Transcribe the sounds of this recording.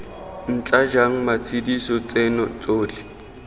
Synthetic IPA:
n̩t͡ɬʼad͡ʒaŋ̩mat͡sʰidisɔt͡sʼenɔt͡sʼoːlɪ

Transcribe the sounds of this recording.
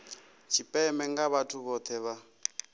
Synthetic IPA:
t͡ʃʰipʼɛmɛŋɡaβatʰuβɔt̪ʰɛβa

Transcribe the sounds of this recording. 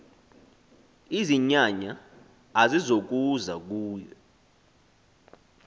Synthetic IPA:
iziɲaɲaː | zizok̬uzak̬uːjɔ

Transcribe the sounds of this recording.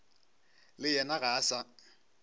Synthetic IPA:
lɪjɛnaɣaːsa

